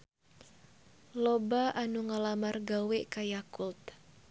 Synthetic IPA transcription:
lobaʔanuŋalamarɡaweʔkajakult̪̚

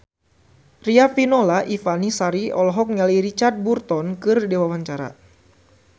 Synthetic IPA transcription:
riafinolaʔifanisaɾiɔlɔɦɔk̚ɲaliiɾit͡ʃard̪̚burt̪ɔnkɨrdewawaɲt͡ʃaɾa̰

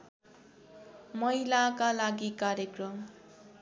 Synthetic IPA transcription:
mʌɦjlakalaɡikaɾjekrʌm

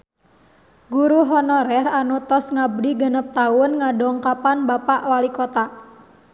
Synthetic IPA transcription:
ɡuɾuɦɔnɔɾɛranut̪ɔsŋabɾiɡənəp̚t̪awʊnŋadɔŋkapanbapaʔwalikot̪a

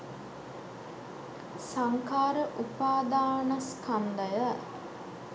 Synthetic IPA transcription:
saŋkaːɾəʔupaːd̪aːnaskand̪ajə

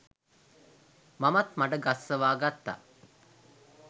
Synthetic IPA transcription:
mamɐt̪maʈəɡasːəʋaːɡat̪ːa̰

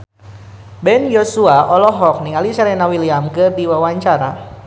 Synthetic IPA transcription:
bɛnjosuaʔɔlɔɦɔk̚niŋalisaɾɛnawiliamkədiwawaɲt͡ʃaɾa

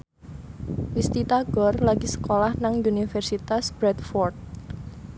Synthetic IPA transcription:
list̪it̪aɡ̥ɔrlaɡisə̥kolahnaŋunifɛrsit̪asb̥ɾɛt̪fɔrd̪̚

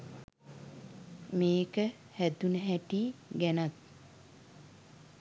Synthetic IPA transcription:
meːkə | hæt̪unəɦæʈiːɡænat̪̚

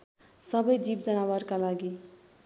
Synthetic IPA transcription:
sʌbʌjd͡zib̚d͡zʌnawʌrkalaɡi

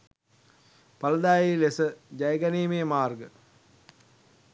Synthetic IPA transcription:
pɐləd̪aːjilesəd͡ʒajəɡæneːmeːmaːrɡə

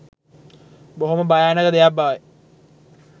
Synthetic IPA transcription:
boɦumɐbɐjaːnɐkɐd̪ejabaːʋe

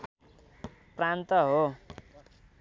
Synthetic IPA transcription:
prant̪ʌɦo

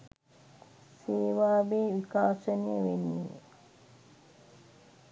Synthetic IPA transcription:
seːʋaːʋeːʋikaːsənejəʋenːḭː

